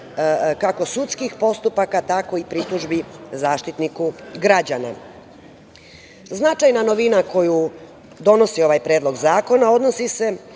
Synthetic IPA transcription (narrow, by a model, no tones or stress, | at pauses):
kako̞sut̪skixpo̞st̪upakat̪ako̞ipɾit̪uʒbizaːʃt̪it̪nikuɡɾad͡ʑana̰ | znat͡ʃajnano̞ʋinako̞ju | d̪o̞no̞sio̞ʋajpɾe̞ːdlˠo̞ɡzaːko̞nao̞d̪no̞sise̞